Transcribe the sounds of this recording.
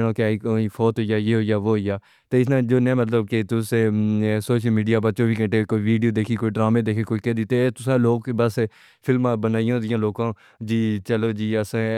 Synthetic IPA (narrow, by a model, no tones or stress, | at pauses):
ɽõːkɪaːiːkoːiːfʰoːt̪ɦoijaːjeːɦoːijaːʋoːɦoijaː | t̪eːɪsnãːd͡ʒoːnɛ̃ːmət̪ləbket̪ʊsesoːʃəlmiːɖijaːbət̪ːt͡ʃoːʋiːkə̃ɳʈeːkoːiːʋiːɖioːd̪eːkʰiːkoːiːɖɾaːmeːd̪eːkʰikoːiːkɛd̪iːt̪eːt̪ʊsãːloːkbəs | pʰɪlmãːbənaːijãːd̪ɪjãːloːkãː | d͡ʒiːt͡ʃəloːd͡ʒiːəsãː